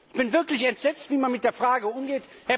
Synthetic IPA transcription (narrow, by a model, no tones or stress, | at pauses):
b̥ɪnvɪɐklɪçɛntz̥ɛt͡stv̥iːmanmɪt̚d̥eːɐfʁ̥aːɡəʊmɡeːthɛɐ